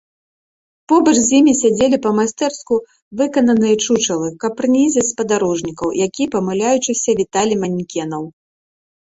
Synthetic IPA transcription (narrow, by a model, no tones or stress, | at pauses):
pɔbɐt͡ʂzʲjimʲisʲad͡zʲelʲipɐmasʲt̪ɛrsku | vɨkɐnɐnɨjɛt͡ʂut͡ʂɐlˠɨkɐpːɾnʲizʲɛspɐd̪aɾɔʐnʲikɐwjakʲipɐmɨlʲajut͡ʂɨsʲɐvʲit̪alʲimanʲkʲɛnɐw